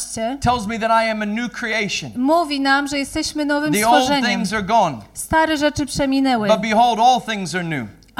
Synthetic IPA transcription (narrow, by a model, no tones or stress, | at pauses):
t͡ɕɛtʰɛlˠzmiðɨɾaɪɨ̃mɨnʉkʰɹ̥ieɪʃɨ̃nmuvʲinamʐɛjɛst̪ɛɕmɘnɔvɘmisofɔlʐɛɲɪ̃mŋzə˞ɡɔ̃nst̪aɾɛʐɛt͡ʂɘpʂɛmʲinɛwɘbʌt̚b̥iɦoʊlˠdɔlˠθɪ̃ŋzə˞nʉ̰